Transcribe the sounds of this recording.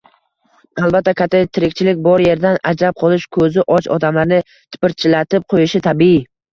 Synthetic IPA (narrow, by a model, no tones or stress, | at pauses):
alˠbat̪ːakʲʰat̪ʰːet̪ʰɪɾɪk̚ʲt͡ʃʰɪlɪk̚ʲbɒɾje̞ɾd̪anad͡ʒɾap̚qʰɒlˠɪʃkʰɵzɪʔɒt͡ʃʰɒd̪amlaɾnɪ | t̪ʰɪ̥pɪɾt͡ʃʰɪlat̪ʰɪp̚qʰojɪʃɪt̪ʰabii